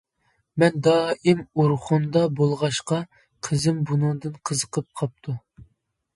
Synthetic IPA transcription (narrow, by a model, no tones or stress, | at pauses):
mɛnd̪ɑːimuɾχund̪ɑbolˠʁɑʃqɑ | qʰəzɪmbunɨŋd̪ɨnqʰəzəqʰəp̚qʰɑp̚t̪ʰu